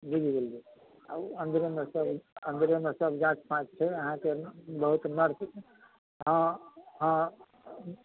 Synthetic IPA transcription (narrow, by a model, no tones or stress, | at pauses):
biɡiɡelɡi | a̰ənd̪ɾemesəbənd̪ɾemesəbʱd͡ʒãt͡ʃpãt͡ʃt͡ʃʰɛəɦãkebəɦut̪nəɾs | ɦãɦã